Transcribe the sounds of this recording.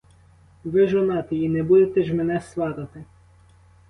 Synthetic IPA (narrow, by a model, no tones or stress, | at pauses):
ʋɪʒɔnɑt̪ɪinɛbud̪et̪ɛʒmɛnɛst̪ʋɑɾɐt̪ɪ